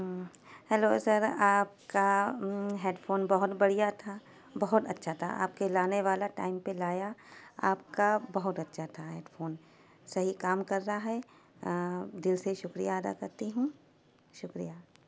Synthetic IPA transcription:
hɛloːsɐɾaːp̚ka | ɦeːɖfoːnbɐɦʊt̪bɐɽijat̪ʰa | bɐɦʊt̪ɐtːʃʰat̪ʰa̰ʔa̰ːp̚kelaːneʋaːlaʈa̰ːɪmpelaːjaa̰ːp̚kabɐɦʊt̪ɐtːʃʰat̪ʰaɦɛːɖfoːn | sɐɦikaːmkɐɾːaɦɛ | d̪ɪlseʃʊkɾḭjaːd̪a̰kɐɾt̪iɦũ | ʃʊkɾija

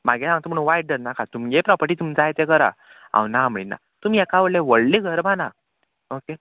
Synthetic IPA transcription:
maɡesãŋt̪əm̤əɽũnʋajʈ̚ɖəɾnakat̪umɡepɾɔpəɾʈiːt̪umid͡zajt̪ekəɾa̰ | ã̰wnam̤əina̰ | t̪umiɛkaʋəɽleʋəɭliɡʱəɾbana | oke

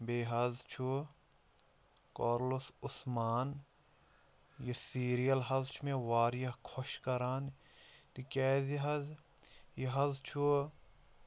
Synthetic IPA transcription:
beːɦɐzt͡ʃʰu | koːɾlosʊsmaːn | jesiːɾijɐlɦɐzt͡ʃʰumẽʋaːɾjɐɦkʰoʃkɐɾaːn | t̪ikɛːziɦɐzjiɦɐzt͡ʃʰu

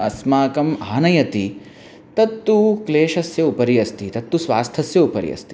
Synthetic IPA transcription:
ɐsmaːkɐmaːnɐjɐt̪i | t̪ɐt̪ːukleːʃɐsjɐupɐɾijɐst̪it̪ɐt̪ːusʋaːst̪ʰɐsjɐupɐɾḭjɐ̰st̪i̥

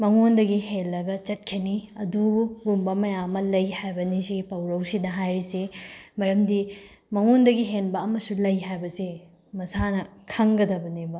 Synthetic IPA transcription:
mɐŋondɐɡihelːɐɡɐt͡ʃɐt̚kʰiniɐduɡumbɐmɐjamɐlɐjhajbɐnisipɐwɾɐwsidɐɦajɾisemɐɾɐmdi | mɐŋondɐɡiɦenbɐːmɐsulɐjɦajbɐse | mɐsanɐkʰɐŋɡɐdɐbɐnibɐ

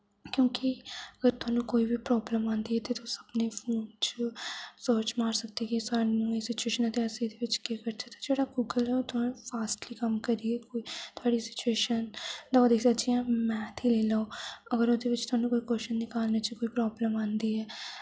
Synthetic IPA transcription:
kjõːkiəɡəɾt̪ʊaːnũːkoːiːʋiːpɾɔːbləmãːnd̪iːɛːt̪eːt̪osəbneːpʰoːnt͡ʃ | soːt͡ʃmaːɾsək̚d̪iːkisaːnũːeːsɪt͡ʃueːʃənət̪eːəsẽːd̪eːʋɪt͡ʃkekəɾt͡ʃʰat̪ḁd͡ʒeːɽaːɡuɡəlɛot̪ʰʊaːnũpʰaːsʈliːkəmkəɾiːɛːkoit̪ʰʊaːɽiːsɪ̥t͡ʃueːʃənd̪aod̪eːksat͡ʃijãːmɛ̃ːt̪ʰiːleːlaːoːəɡəɾoːd̪eːʋɪt͡ʃt̪ʊaːnũːkoːiːkoːʃənnɪkaːlnaːt͡ʃikoːiːpɾɔːbləmãːnd̪iːɛː

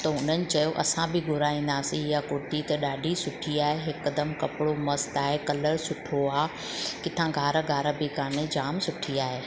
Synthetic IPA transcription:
t̪ɐʊn̤ənɪ̆t͡ɕɐjoʔɐ̰sãbʱɪɡʱʊɾaːĩːn̆d̪aːsĩɪjakʊɾʈit̪ɐɗaːɖʱisʊʈʰiaːɦeɦɪkːd̪ɐmkɐpɪɽomɐst̪aːɦekɐləɾsʊʈʰoaː | kɪt̪ʰãɡʱaːɾəɡʱaːɾəbɪkaːned͡ʑaːmsʊʈʰiaːɦeː

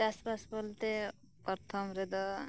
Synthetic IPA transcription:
aspasbɔlt̪e | kɔɾt̪ʰɔmɾed̪ɔ

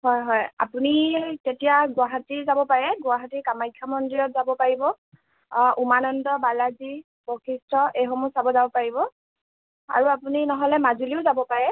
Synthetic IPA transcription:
hɔjɦɔja̰punitetijaɡʊwaɦatizabɔpaɹɛɡwaɦatikamajkʰːamɔndɹijɔtzabɔpaɹibɔ | ʔumanɔndɔbalazi | bɔkʰistʰɔejɦɔmusabɔzabɔpaɹibɔ | a̰ɹuapuninɔɦɔlɛmazuliʊzabɔpaɹɛ

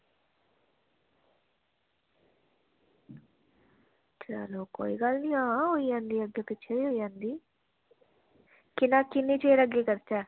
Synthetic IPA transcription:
t͡ʃəloːko̰ːḭːɡəlnĩːãːɦoːiːd͡ʒãːnd̪iːəɡːeːpɪːt͡ʃʰeiːɦoːiːd͡ʒãːnd̪iː | kɪnaːkɪneːt͡ʃeːɾəɡeːkəɾt͡ʃɛː

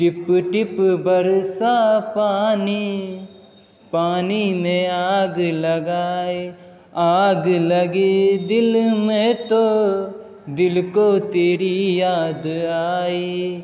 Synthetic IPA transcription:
ʈɪpʈɪpbɐɾsapaːni | paːnimẽaːɡlɐɡaːe | aːɡlɐɡeːd̪ɪlmẽt̪o | d̪ɪlkot̪eːɾijaːd̪aːiː

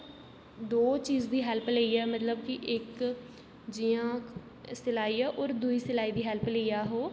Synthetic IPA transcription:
d̪oːt͡ʃiːzd̪iːɦɛlpleːiːɛːmət̪ləb̚kɪʔɪk | d͡ʒiːãː | sɪlaːiːɛːʔɔːɾd̪uiːsɪlaːiːd̪iːɦɛːlpleijaːɦoː

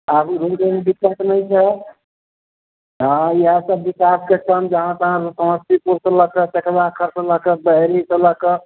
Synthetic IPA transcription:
abɾuʈenɖikːəʈnəjt͡ʃʰɛ | ɦãiɦə̃səbːikaskekəmd͡ʒəɦãt̪əɦãssəməst̪ipuɾsə̃ləkət͡ʃəkbakʰəɾsələkəbəɦɾisələkə

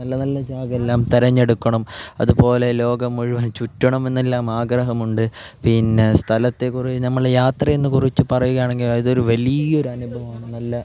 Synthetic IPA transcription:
nɐlːɐnɐlːɐd͡ʑaːɡɐelːaːmt̪iɾɐɲːe̞ɽukːɐɳɐmɐ̰ðupo̞ːle̞lo̞ːɡɐmuɻiʋɐnt͡ɕutːɐɳɐme̞nːelːaːmaːɡɾɐɦɐmuɳɖɨpinːe̞st̪ʰɐlɐt̪ːe̞kurit͡ɕːɨnɐmːɐɭjaːt̪rɐje̞nːɨkurit͡ɕːɨpɐrɐjuɣɐjaːɳe̞ŋɡiliðo̞ɾuʋɐlijo̞ɾuɐnubʱɐʋɐmaːɳɨnɐlːɐ

